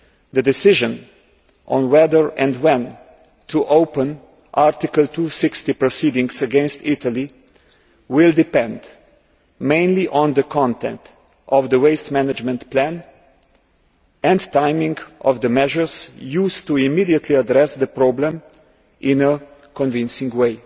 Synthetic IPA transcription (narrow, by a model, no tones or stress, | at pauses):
d̪ədɪsɪʒə̃n | ʔɔ̰̃nwɛðəɹɛ̃ndwɛ̃n | tʰuʔoʊpə̃n | ʔaɹt̪ɪkəlt̪ʰusɪkst̪ipɹɔsiːdɪ̃ŋsəɡɛ̃nst̪ɪt̪əli | wɪld̪ɪpɛ̃nd̪ | mẽɪ̃nliʔɔ̃nd̪əkʰɔ̃nt̪ɛ̰̃nt | ʔɔvd̪əweɪstmænəd͡ʒmɛ̃nt̪plæ̃n | ɛ̃ndtãɪmɪ̃ŋɡɔ̰vd̪əmɛʒəɹsjuːstuimidiət̪ʰliadɾɛsd̪əpɾɔblə̃m | ʔɪ̃nəkɔ̃nvɪ̃nsɪ̃ŋɡweɪ